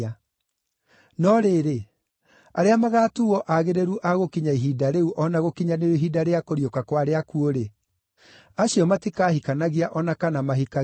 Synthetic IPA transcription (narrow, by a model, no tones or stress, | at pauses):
a | nɔɾeːɾe | aɾeamaɣaːtuwɔʔaɣeɾeɾuʔaɣokiɲaiɦidaɾeuʔɔnaɣokiɲaneoɦidaɾeakoɾjokakwaɾeakuoɾe | aɕjɔmatikaːhikanaɣiaʔɔnakanamaɦika